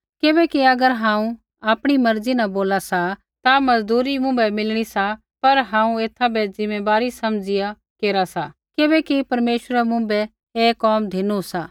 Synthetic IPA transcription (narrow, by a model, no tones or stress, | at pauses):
kɪbɛkiɐɡəɾɦãːũ | aːpɽ̃imɐɾd͡zinɐboːlasa | t̪amɐd͡zd̪uːɾimʊ̃bɛmɪlɽ̃isa | pɐɾɦãːũeːt̪ʰabɛd͡zɪmeːbaːɾisɐmd͡zɪja | keːɾasa | kɪbɛkipɐɾmeːʃəɾɛmʊ̃bɛ | eːkɔːmd̪ʱɪnusa